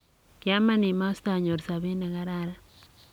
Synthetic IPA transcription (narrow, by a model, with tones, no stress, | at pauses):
kja˦ma˦ni˨ma˦si̥ta˨ɲo˨ɾsa˨βe˦ne˨ɣa˦ɾaɾa